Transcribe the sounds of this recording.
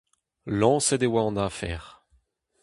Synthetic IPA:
lɑ̃sɛd̪ewaɔ̃nafɛ̰ːʁ

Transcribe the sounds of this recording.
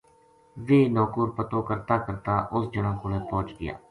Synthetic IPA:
ʋeːnɔːkuːɾpət̪õːkəɾt̪aːkəɾt̪aːʔʊsd͡ʒəɳãːkʊɽeːpɔ̃ːt͡ʃɡɪ̰ja̰ː

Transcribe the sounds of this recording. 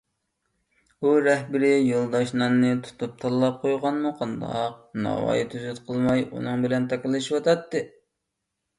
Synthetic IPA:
uɾɛhbɪɾɪjolˠd̪ɑʃnɨnːɨt̪ʰu̥t̪ʰup̚t̪ʰɑlˠlˠɑp̚qʰojʁɑnmuqʰɑnd̪ɑ̰q̚nɑ̰wɑ̰jit̪ʰyzyt̪qʰəlˠmɑjṵnɨŋbɪlɛnt̪ʰɑkʲɪlˠːɨʃiwɑt̪ʰɑt̪ːɨ

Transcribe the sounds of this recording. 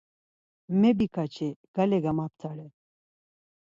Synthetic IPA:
mɛbikʰat͡ʃʰɛɡ̥alɛɡamap̚t̪ʰaɽɛ

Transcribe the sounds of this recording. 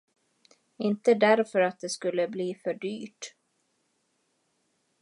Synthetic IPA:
ɪnt̪əd̪æɾfœɾat̪̚d̪ɛskɵlːəbliːfœɖyːʈ

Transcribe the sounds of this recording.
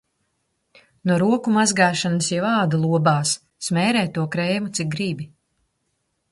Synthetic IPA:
nuɔɾuɔkumazɡaːʃanəsjɛvaːd̪alˠuɔbaːsː | mɛːɾɛːt̪ːuɔkɾɛjmut̪sik̚ɡɾibʲi

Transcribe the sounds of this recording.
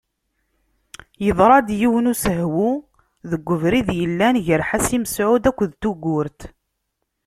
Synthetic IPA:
jəðˤɾˤɑd̪jiwənusəɦwu | ðəɡʷːəvɾiðjəlːænʝəɾħasiməsʕʊd̪ækʷːðt̪uɡʊɾt̪

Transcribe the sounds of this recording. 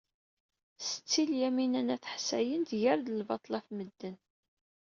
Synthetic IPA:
sə̥t͡sːiljæminænæθə̥ħsæjənd̪ʝəɾðəlvɑt̪ˤlɑfməd̪ːən

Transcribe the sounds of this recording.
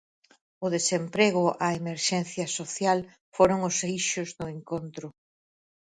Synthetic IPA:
ʊðesempɾeɣʊʔaemeɾʃɛnθjɐsoθjal | foɾʊŋʊsejʃʊzðʊeŋkont̪ɾʊ

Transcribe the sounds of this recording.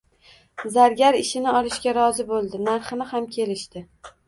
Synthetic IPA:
zaɾɡʲaɾɪʃɪnɪɒɾɪʃɡʲaɾɒzɪbolˠd̪ɪnaɾχɨnɪhamkʲʰe̞lɪʃt̪ɪ

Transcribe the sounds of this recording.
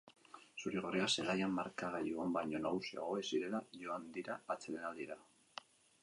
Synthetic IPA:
suɾeɣ̞o̞reaselajamːaɾkaɣajuambajɲo̞naɣusia̰ɣ̞o̞esiɾe̞laʝo̞and̪iɾaːt͡se̞lenald̪iɾa

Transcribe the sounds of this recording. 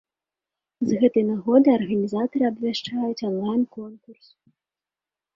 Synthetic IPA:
zɣɛt̪ɨjnaɣɔd̪ɨjɐrɣɐnʲizat̪ɐɾɨɐbvʲaʂt͡ʂajut͡sʲɔnlˠajnkɔnkurs

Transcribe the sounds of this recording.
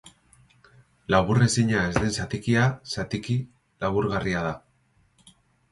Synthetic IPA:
laβure̞siɲae̞zðensat̪ikiasat̪iki | laβuɾɣariað̞a

